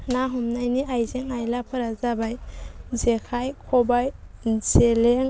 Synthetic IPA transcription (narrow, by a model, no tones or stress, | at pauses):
naɦɔmnajniʔajzeŋajlapʰɯɾazabajzekʰajkʰɔbajzeleŋ